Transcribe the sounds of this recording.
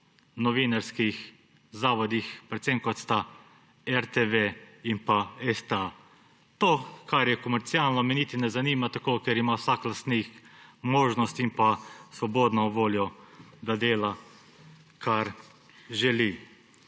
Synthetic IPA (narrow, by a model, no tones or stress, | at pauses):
nɔʋinaɾskix | zaːʋɔd̪ixpɾɛt̪semkɔt̪st̪a | ɛɾt̪eʋeinpaɛst̪a | t̪oːkaɾjɛkɔmɛɾt̪sialnɔmɛniːt̪inɛzaniːmat̪akokɛɾimawsaklast̪nikmoːʒnɔst̪impasʋɔboːd̪nɔʋoːljɔd̪ad̪eːla | kaɾ | ʒɛli